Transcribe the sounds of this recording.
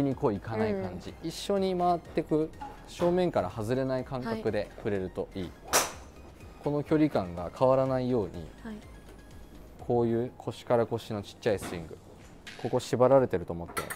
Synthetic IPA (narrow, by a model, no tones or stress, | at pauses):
iɲ̟iko̞ːikanaikãɲd͡ʑiiɕːo̞ɲ̟imaβat̪ːe̞kɯ̟ | ɕo̞ːmẽ̞ŋkaɾahazɨɾe̞naikãŋkakɯ̟d̪e̞ɸɯ̟ɾe̞ɾɯ̟t̪o̞ʔiː | ko̞no̞kʲo̞ɾʲikãŋɡa̰kʰaβaɾanaijo̞ːɲ̟ḭ | kʰo̞ːjɯ̟ːkʰo̞ɕi̥kaɾako̞ɕino̞t͡ɕi̥t͡ɕːaisɨɾʲĩŋɡɯ̟ | ko̞ko̞ɕibaɾaɾe̞t̪e̞ɾɯ̟t̪o̞ːmo̞t̪ːe̞̰